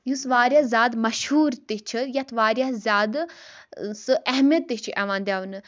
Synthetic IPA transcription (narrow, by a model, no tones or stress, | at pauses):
jusʋaːɾʲjazʲaːd̪mɐʃhuːɾt̪it͡ʃʰɨjɐt̪ʰʋaːɾʲjazʲaːd̪ | sɨʔɐɦmʲjɐt̪ːiɦt͡ʃʰiʔɛʋaːnd̪ʲjaːʋnɨ